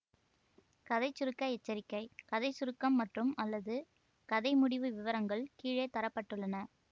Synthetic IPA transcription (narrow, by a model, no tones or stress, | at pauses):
kɐðɐɪt͡ʃːʊɾɯkːɐɛt͡ʃːɐɾɪkːɐɪkɐðɐɪsʊɾɯkːɐmːɐʈrɯmɐlːɐðɯ | kɐðɐɪmʊɽɪʋɯʋɪʋɐɾɐŋɡɐɭkiːɻeːt̪ɐɾɐpːɐʈːɯɭːɐnɐ